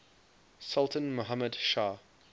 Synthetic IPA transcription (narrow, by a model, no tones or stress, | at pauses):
sʌlˠtə̃nmoɦamədʃaː